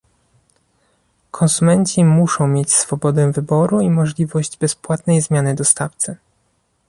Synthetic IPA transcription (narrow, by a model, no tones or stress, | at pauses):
kʰɔnsumɛɲt͡ɕimuʂɔ̃w̃mʲjet͡ɕsfɔbɔd̪ɛvɘbɔɾuimɔʐlʲivɔʑd͡ʑbɛspwat̪nɛjzmʲjanɘd̪ɔst̪aft̪sɘ